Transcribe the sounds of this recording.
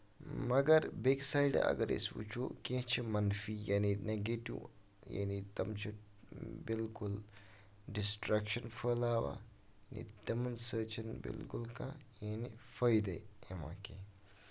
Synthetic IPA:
mɐɡɐɾbeksaːjɖ̰ɐ̰ɡɐɾḛsʋṵt͡ʃʰokẽt͡ʃʰimɐnfijanineɡeʈṵ | ja̰ːnit̪ɐmt͡ʃʰi | bilkul | ɖisʈɾɐkʃɐnfʰəlaːʋa̰ | janḭt̪ɐmɐnsəːt͡ʃʰɐnbḭlkulkã | jaːnifɐjd̪eemã̰ke

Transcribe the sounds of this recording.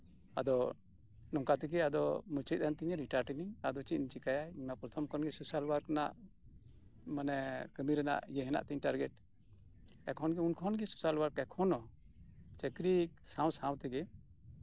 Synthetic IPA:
a̰d̪ɔ | nɔŋkat̪ɛɡɛad̪ɔmut͡ʃit̪̚ˀant̪iɲɛɾiʈaɾʈiniad̪ɔt͡ʃit̪nt͡ʃikajainapɾɔt̪ʰɔmkʰɔnɡɛsusalwaɾkana̰ʔ | manɛkəmiɾɛna̰ʔjɛɦɛna̰ʔt̪iɲʈaɾɡɛʈ̚ | ɛkʰɔnɡɛunkʰɔnɡɛsu̥salwaɾkɛkʰɔnɔ | t͡ʃəkɾisãw̃sãwt̪ɛɡɛ

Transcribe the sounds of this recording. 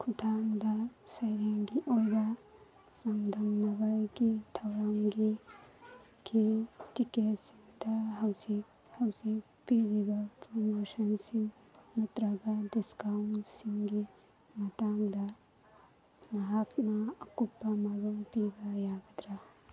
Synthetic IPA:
kʰutʰaŋd̪ɐsɐjɾeŋɡiʔojbɐ | saŋd̪ʱɐŋnɐbaɡitʰɐwɾaŋɡi | ɡ̥itiketsiŋd̪ɐɦawzik | hɐwzik̚piɾibɐpɾomosɐnsiŋ | nɐt̪ɾɐɡadiskawnsiŋɡi | mɐtaŋdɐ | nɐɦaknɐɐkupːɐmɐɾuŋpibɐjaɡɐd̪ɾa

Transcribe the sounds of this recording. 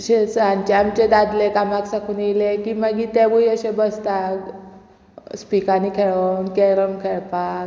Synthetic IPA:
ɕet͡saɲt͡ɕeamt͡ɕed̪ad̪lekamaksakʰuːnjilekiːmaɡiːt̪ebujəɕebəst̪ak | spikanikʰeɭənkeɾəmkʰeɭpak

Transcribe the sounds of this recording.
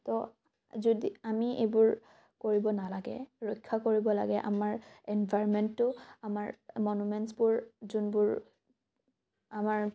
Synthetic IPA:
tɔ | zodiamiebʊɹ | koɹibɔnalaɡɛ̰ɹɔjkʰːakoɹibɔla̰ɡɛʔa̰maɹɛnbʱaɹɔmɛntːʊamaɹmɔnumɛntsbʊɹzunbʊɹ | amaɹ

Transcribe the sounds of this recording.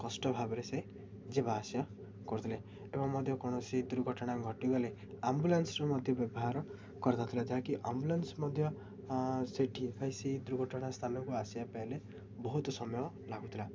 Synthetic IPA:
kɔsʈɔbʱabɔɾese | d͡ʒebaːsja | kɔɾut̪ʰile | ebɔŋmɔd̪ʱjɔkɔɽ̃ɔsid̪uɾɡʱɔʈɔɽ̃aɡʱɔʈiɡɔle | ambulansɾɔmɔd̪ʱjɔbjɔbɔɦaɾɔ | kɔɾt̪at̪ʰilad͡ʒaɦakiʔambulansmɔd̪ʱjɔ | seʈʰipʰajsid̪uɾɡʱɔʈɔɽ̃ast̪ʰanɔkuasjapajle | bɔɦut̪ɔsɔmɔjɔ | laɡut̪ʰila

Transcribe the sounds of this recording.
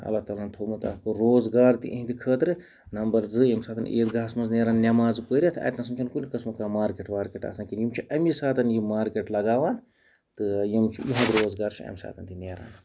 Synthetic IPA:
ɐ̰lːat̪aːlaːnt̪ʰoːmut̪a̰kɨɾoːzɡaːɾt̪ḭʔɐ̃ɦĩnd̪ʲikʰəːt̪ɾɨ | nɐmbɐɾzɨjɐmsaːt̪ɐnḛːt̪ɡaːsmɐnzneːɾaːnnʲɐmaːzpəːɾʲiɐt̪ʰɐ̰ːt̪nɐs̬ɐmt͡ʃʰunkulʲikɐsmɨkaːmaːɾkeʈʋaːɾkʲeʈa̰ːsãːkʲinjimt͡ʃʰiʔɐmisaːt̪ɐnjimaːɾkʲeʈlɐɡaːʋaːn | t̪ɨjimt͡ʃʰḭjiɦɐ̃d̪ɾoːzɡaːɾt͡ʃʰiɐ̰msa̰ːt̪ʰɐnt̪ineːɾa̰ːn

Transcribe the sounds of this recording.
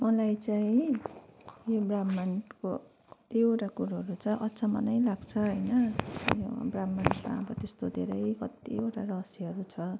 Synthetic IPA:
mʌlajt͡saĩ | jobramːanko | ʌt̪ioʈakuɾaɦʌɾut͡sʰʌʔʌtːt͡sʰamʌ̰nʌjlaɡt͡sʰʌɦʌjnʌjo̰bramːanma̰bʌt̪est̪od̪ʱeɾʌjkʌt̪ḭoʈaɾʌsiɦʌɾut͡sʰʌ

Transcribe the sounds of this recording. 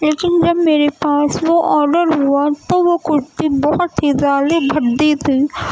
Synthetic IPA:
leːkɪnd͡ʒɐbmeːɾepaːsʋoʔɔːɾɖəɾɦuat̪oʋokʊɾt̪ibɔɦʊt̪ɦizaːd̪ebʱɐɾd̪it̪ʰiː

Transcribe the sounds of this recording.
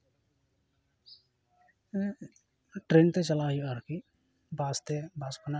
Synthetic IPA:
ʈɾeːnt̪et͡ʃəlaɦiəɾki | baːst̪ebaːskəna

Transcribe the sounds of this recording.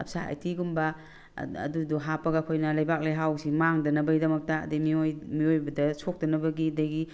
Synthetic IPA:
ɐp̚saa̰jtʰiɡumbɐ | ɐ̰duduɦapɐɡakʰojnɐlɐjbak̚lajɦawsimaŋdɐnɐbɐɡidɐmɐk̚tɐ̰ːdemiojmiojbɐdɐsʰok̚dɐnɐbɐɡidɐɡi

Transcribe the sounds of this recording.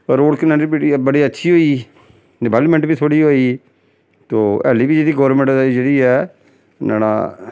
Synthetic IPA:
ɾoːɽkɪnãːipiʈibəɽiːətːʃʰiːɦoːiː | ɖɪbɛːlmɛ̃ɳʈbiːt̪ʰoːɽiːɦoːiː | t̪oːɛ̰ːliːbiːd͡ʒeːdiːɡɔːɾmɛ̃ɳʈːd͡ʒeːɽiːɛː | na̰ːna̰ː

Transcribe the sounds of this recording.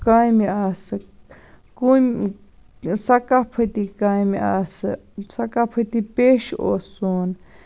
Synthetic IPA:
kãjmĩasa | ku | sakapʰət̪ikãimiʔas | sakapʰət̪ipeʃo̰sun

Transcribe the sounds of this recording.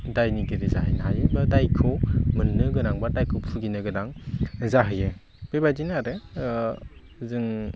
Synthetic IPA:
dajniɡiɾiza̰ɦɯjnaɦajɯbadajkʰomɯnːɯɡɯɾaŋbadajkʰopʰuɡinɯɡɯdaŋzaɦɯjɯ | b̥ebadinaɾɯ | zɯŋ

